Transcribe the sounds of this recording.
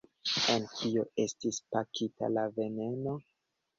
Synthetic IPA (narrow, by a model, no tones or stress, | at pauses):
enkʰioe̞stispakita̰lave̞ne̞no̞